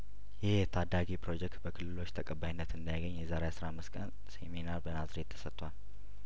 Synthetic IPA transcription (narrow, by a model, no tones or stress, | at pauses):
jɪhjɛt̪ʰad̪ːaɡipʰɾo̞d͡ʒɛk̚t̪bəkʰɨlːɨlo̞t͡ʃːt̪ʰəkʼəbːajinːət̪ɨnd̪ajaɡəɲːjɛzaɾeasɾahamːɨst̪kʼən | seminaɾbənazɾet̪ʰːə̥sət̪ʼːwal